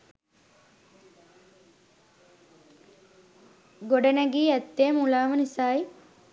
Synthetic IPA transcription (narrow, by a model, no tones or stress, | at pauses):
ɡoɖɐnɐɡiːɛt̪ːeːmulaːʋənisaːj